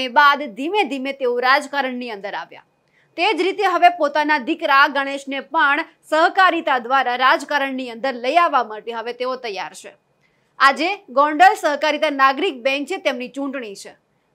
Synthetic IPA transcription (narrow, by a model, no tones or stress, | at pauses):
ebad̪ːʱimed̪ʱimet̪eoɾad͡ʒkaɾəɳniə̃nd̪əɾa̰ʋja̰ | t̪ed͡ʒɾit̪eɦəʋepot̪anad̪ikɾaɡəɽ̃eʃnepəɳ | səɦkaɾit̪ad̪ʋaɾaɾad͡ʒkaɾəɳniə̃nd̪əɾləjaʋːamaʈeɦəʋet̪eot̪əjːa̰ɾt͡ʃʰe | ad͡ʒeɡɔ̃ɳɖəlsəɦkaɾit̪anaɡɾik̚bɛ̃ŋk̚t͡ʃʰet̪emnit͡ʃũɳʈɳ̃it͡ʃʰe